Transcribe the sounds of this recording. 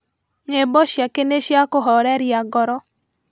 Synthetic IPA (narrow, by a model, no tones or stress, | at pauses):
ŋebɔʃjakeneʃjakoɦɔɾɛɾjaɡɔɾɔ